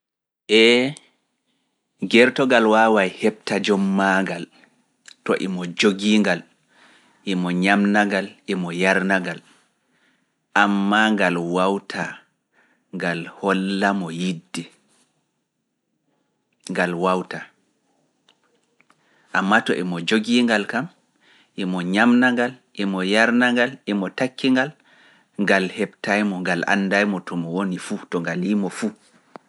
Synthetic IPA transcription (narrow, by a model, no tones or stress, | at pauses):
ʔɛ | ɡɛɾtɔɡalwaːwajhɛp̚tad͡ʒɔmːaŋɡal | tɔ̰ʔɛmɔd͡ʒoɡiːŋɡal | ʔɛmɔɲamnaŋɡalʔɛmɔjaɾnaɡal | ʔamːaŋɡalwawtʰa | ŋɡalhɔlːamɔjidːɛ | ŋɡalwawta | ʔamːatɔʔɛmɔd͡ʒoɡiŋɡalkam | ʔɛmɔɲamnaŋɡalʔɛmɔjaɾnaŋɡalɛmɔtakʰːiŋɡal | ŋɡalhɛbtajmɔŋɡalʔa̰nːdajmɔtʰɔmɔwonifutɔŋɡaliːmɔfu